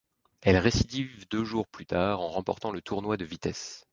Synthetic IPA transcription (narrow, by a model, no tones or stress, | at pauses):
ɛlʁesid̪ivd̪øʒuʁplyt̪aːʁɑ̃ʁɑ̃pɔ̰ʁt̪ɑ̃lət̪ʰuʁnwad̪əvit̪ɛs